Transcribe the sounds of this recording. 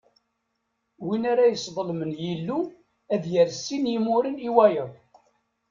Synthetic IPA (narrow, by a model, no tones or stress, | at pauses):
winaɾajəsðˤəlmənjəlːu | æðjəɾsːinjimuɾəniwæjəðˤ